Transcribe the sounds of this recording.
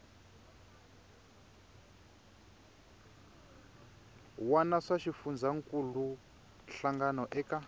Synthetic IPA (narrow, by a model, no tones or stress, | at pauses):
wanaʂaʃifund͡zʱaŋkʼulu | nɬaŋɡanɔʔɛka